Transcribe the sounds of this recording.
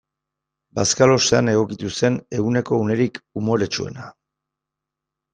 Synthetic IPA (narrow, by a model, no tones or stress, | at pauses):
baskalo̞seane̞ɣ̞o̞kit̪use̞ne̞ɣune̞ko̞une̞ɾikumo̞ɾe̞t͡ʃue̞̰na